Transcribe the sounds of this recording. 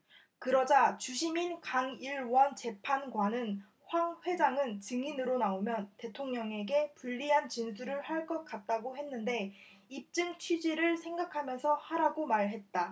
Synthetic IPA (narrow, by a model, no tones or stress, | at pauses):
kɯɾʌd͡ʑat͡ɕuɕʰiminkaŋiɭwʌnt͡ɕe̞pʰanɡwanɯn | ɸwaŋɸwe̞d͡ʑaŋɯnt͡ɕɯŋinɯɾonaomjʌnte̞tʰoŋɲʌŋe̞ɡe̞puʎːiɦant͡ɕinsʰuɾɯɭhaɭk͈ʌt̚k͈at̚t͈aɡoɦenːɯnde̞ | ip̚t͡ɕ͈ɯŋt͡ɕʰɥid͡ʑiɾɯɭsʰe̞ŋɡakʰamjʌnsʰʌhaɾaɡomaɭɦe̞t̚t͈a